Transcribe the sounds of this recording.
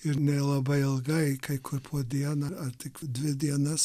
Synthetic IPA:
ɪɾnʲɛlˠɐbɐɪɪlˠɡɐɪkɐɪkʰʊɾpʰoɔd̪ʲiɛnɐɐɾt̪ʲɪkd̪ʲʋʲɪd̪ʲiɛnɐs

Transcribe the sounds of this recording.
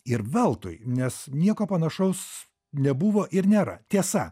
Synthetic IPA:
ɪɾʋʲɛlˠt̪ʊ̰jnʲɛsnʲiɛkoːpɐnɐʃɐʊs | nʲɛbuʋoːʔɪɾnʲeːɾɐ̰t̪ʲiɛsɐ

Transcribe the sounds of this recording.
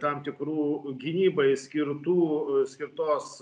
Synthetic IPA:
t̪ɐmt̪ʲɪkɾuːɡʲɪnʲiːbɐɪsʲkʲɪɾt̪uːsʲkʲɪɾt̪oːs

